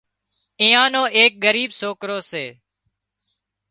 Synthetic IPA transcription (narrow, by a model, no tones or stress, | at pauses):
ɪ̃ːãːnõːʔeːk̚ɠəɾiːbsoːkɾoːseː